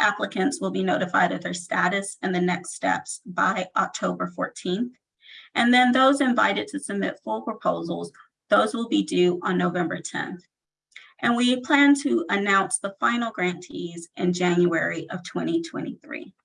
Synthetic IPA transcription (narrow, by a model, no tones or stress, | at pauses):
ʔæpləkɨ̃ntswəlˠbinoʊɾɨfa̰ɪɾɨt̪̚ðə˞stæɾɨsɨ̃nðɨnɛkstɛ̰psb̥aɪʔɑk̚tʰoʊbə˞fɔ̰ɹtʰĩnθ | ʔɨ̃nðɨ̃nðoʊzɨ̃ɱva̰ɪɾɨd̚tʰɨsɨb̚mɪ̰tfʊlˠpʰɹ̥əpʰoʊzl̩ˠz | ðoʊzwəlˠbidʉə̃nːoʊvɛ̃mbə˞tʰɛ̰̃nθ | ʔɨ̃nwipʰl̥æ̃ntʰɨʔənãʊ̃nsðəfãɪ̃nl̩ˠɡɹæ̃ntʰizʔɨ̃nd͡ʒæ̃njuɛɹiʔʌv̥tʰw̥ɛ̃ɾ̃itʰw̥ɛ̰̃ɾ̃iθɹḭ